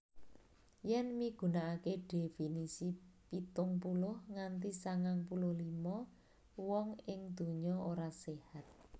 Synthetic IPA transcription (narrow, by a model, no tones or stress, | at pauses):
jɛnmiɡ̥ṳnaakeɖ̥efinisipit̪ʊŋpulʊhŋant̪isaŋaŋpulʊhlimɔ | wɔŋɪŋd̪̥ṳɲɔoɾasehat̪̚